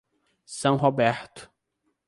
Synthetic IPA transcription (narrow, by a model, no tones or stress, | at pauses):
sɐ̃w̃ɦobɛɾt̪ʊ̥